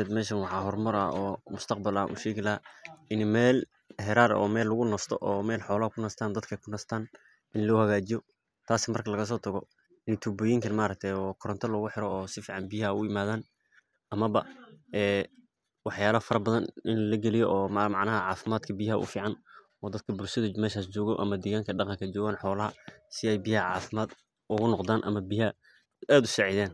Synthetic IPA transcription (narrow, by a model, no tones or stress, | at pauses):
ɛd̪mɛːʃɐnwɑħɑːɦɔrmɐɾɐ̰ɔːmʊst̪ʰɐqbɐla̰ːnʔʊ̰ʃɛːɣɪlɐʔɪnmɛːl | hɛɾaːɾɔ̰ːmɛːlːʊɣʊnɔst̪ʰɔʔɔːmɛːlħɔːlɐɦɐkʰʊnɐst̪ʰaːnd̪ɐd̪kʰɐkʰʊnɐst̪ʰaːn | ɪnlɔhɐɣaːt͡ʃɪjɔ | t̪ʰaːsmɐrkʰɐlɐɣɐs̬ɔːt̪ʰɐɣɔ | nɪt̪ʰuːbɔːjɪŋkʰɐnmaːɾɐk̚t̪ʰɛjɔːkʰɔɾɐnt̪ʰɔlɔːɣʊħɪɾɔːsɪfiːʕɑnbijɐʊɪmaːðaːn | ɐmɐβɐʔɛː | wɑħjaːlɐfɐɾɐbɐðɐnɪnlɐɡɛlɪjɔʔɔːmɑʕnɐɦɐʕɑːfɪmaːd̪kʰɐbijɦɐʔʊ̰fiːʕɑn | ɔːd̪ɐd̪̥̚kʰɐbʊlʃɐðɐmɛːʃaːst͡ʃɔːɣɔʔɐ̰mɐd̪ɛːɣaːŋkʰɐɖɑqɑŋkʰɐt͡ʃɔːɣaːnħɔːlɐɦɐsɪɛjbijhɐʕɑ̰ːfɪmaːd̪ | ʔʊɣʊnɔqd̪aːnʔɐmɐbijɐ | aːd̪ʊsɑʕɪðaːn